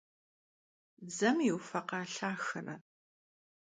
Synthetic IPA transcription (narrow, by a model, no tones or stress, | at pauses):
d͡zɐmiwfɐqɑːɬaːxɨrɐ